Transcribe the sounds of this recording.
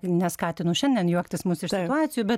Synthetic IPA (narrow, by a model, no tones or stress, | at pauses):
nʲɛskɑːt̪ʲɪnʊʃʲɛnʲd̪ʲiɛnjuɔkt̪ʲɪsmʊsɪʃssʲɪtʊɑːt͡s̪ʲɪjubʲɛt